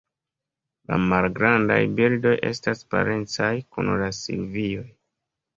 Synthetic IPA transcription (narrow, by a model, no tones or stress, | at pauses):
la̰malɡɾanda̰jbildo̞jʔe̞̰staspa̰ɾe̞nt͡sajkunlasḭlvio̞j